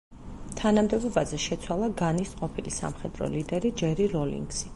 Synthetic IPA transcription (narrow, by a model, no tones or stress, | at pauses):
t̪ʰanamd̪ɛbɔbazɛʃɛt̪sʰwalˠaɡanisqʼɔpʰilisa̰mχɛd̪ɾɔ̰lid̪ɛɾid͡ʒɛɾiɾɔlḭŋɡsi